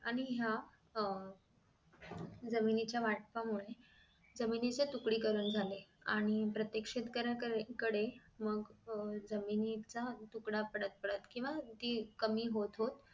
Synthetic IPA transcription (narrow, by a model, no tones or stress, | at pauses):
aɽ̃iɦja | d͡zəminit͡ɕjaʋaʈ̚pamuɭe | d͡zəminit͡set̪ukɽiːkəɾuːnd͡zʱaleaɽ̃ipɾət̪jəkʂet̪kəɾakəkəɽeməɡd͡zəminit͡sat̪ukɽapəɽət̪̚pəɽət̪kĩw̃ʋat̪ikəmiːɦot̪ɦot̪